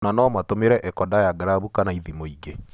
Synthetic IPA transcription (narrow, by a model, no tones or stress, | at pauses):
nanɔmatomeɾɛʔɛkɔdajaɡɾaβukanaiðimoiɡe